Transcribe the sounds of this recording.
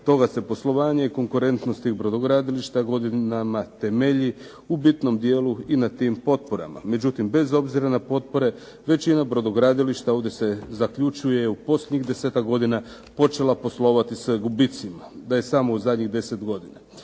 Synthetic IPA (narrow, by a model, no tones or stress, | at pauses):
t̪o̞ɡase̞po̞slˠo̞ʋaːɲe̞iko̞ŋkuɾe̞nt̪nost̪iːxbɾo̞d̪oɡɾad̪iliʃt̪aɡo̞d̪inamat̪e̞me̞ʎi | ubit̪no̞md̪je̞ːluinat̪iːmpo̞t̪̚po̞ɾa̰ma̰me̞d͡ʒut̪imbe̞zo̞bziɾanapo̞t̪̚po̞ɾe̞ | ʋe̞t͡ɕinabɾod̪oɡɾad̪iliʃt̪ao̞ʋd̪je̞se̞zakʎut͡ʃujeupo̞slʲed̪ɲixd̪e̞se̞ːt̪akɡo̞d̪ina | po̞t͡ʃe̞lapo̞slˠo̞ʋat̪isaɡubit̪simad̪aje̞samo̞uzad̪ɲiɣd̪e̞se̞t̪ɡo̞d̪ina